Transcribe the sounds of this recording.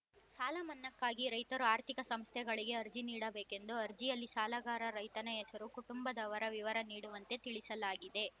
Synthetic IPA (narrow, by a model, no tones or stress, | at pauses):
saːlɐmɐnːɐkːaːɡiɾɐjt̪ɐɾuaːɾt̪ʰikɐsɐmst̪ʰɛɡɐɭiɡe̞ɐɾd͡ʒiniːɽɐbeːke̞nd̪uɐɾd͡ʒijɐlːisaːlɐɡaːɾɐɾɐjt̪ɐnɐesɐɾukuʈumbɐd̪ɐʋɐɾɐʋiʋɐɾɐniːɽuʋɐnt̪e̞t̪iɭisɐlaːɡid̪e̞